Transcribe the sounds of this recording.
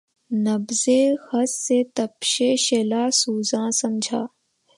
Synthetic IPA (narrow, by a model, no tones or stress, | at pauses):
nəbzehəsːet̪əpʃeːʃeːlaːsuːzãːsəmd͡ʒʱaː